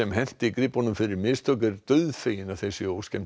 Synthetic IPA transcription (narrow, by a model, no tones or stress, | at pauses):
ɛmɦɛn̥t̪ɪikɾɪpːɔnʏmfɪɾɪɾmɪːst̪ʰœk̬ʏɾt̪œɥðfeːjɪnawθejsɪoːwscɛn